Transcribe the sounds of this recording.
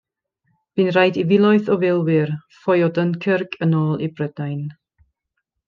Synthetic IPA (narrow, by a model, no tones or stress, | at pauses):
b̥ɨnrajdivɪlˠɔjθɔvɪlˠwɪrfɔjɔdənkʰərɡʰənɔːlˠibrəd̥ajn